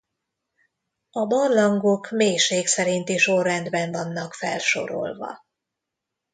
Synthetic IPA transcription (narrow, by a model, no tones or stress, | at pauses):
ɒbɒrlɒŋɡokmeːjʃeːksɛɾint̪iʃo̞rːɛnd̪bɛɱvɒnːɒkfɛ̰lʃo̞̰ɾo̰lvɒ̰